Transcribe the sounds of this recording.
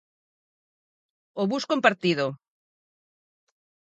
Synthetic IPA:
oβuskompaɾt̪iðo

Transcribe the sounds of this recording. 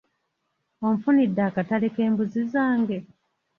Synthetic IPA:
omfunidːaːkataleke̞ːmbuzizaːŋɡe

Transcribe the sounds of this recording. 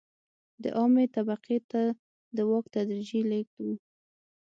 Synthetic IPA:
d̪ə̰ʔɑmet̪abaqet̪a | d̪əwɑk̚t̪ad̪ɾid͡ʒilek̚d̪u

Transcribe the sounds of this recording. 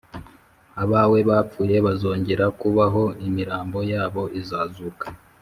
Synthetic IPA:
aβawe̞βaːp͡fuːje̞βazo̞ːɲɟeɾakuβaɦo̞imiɾaːmbo̞jaːβo̞ʔizaːzukḁ

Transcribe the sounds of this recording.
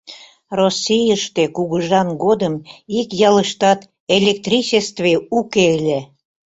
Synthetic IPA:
rosʲːijəʃt̪ekuɣəʒɑnɡod̪əmikjɑləʃt̪ɑt̪ | elʲek̚t̪rʲit͡ɕest̪veukelʲe

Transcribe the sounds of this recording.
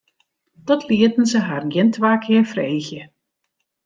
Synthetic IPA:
dɔtʰlɪətən̩zəɦarnjɪntʋaːkʰɪərfreːxjə

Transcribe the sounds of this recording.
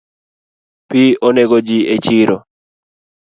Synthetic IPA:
pioneɡod͡ʒiet͡ʃiɾo

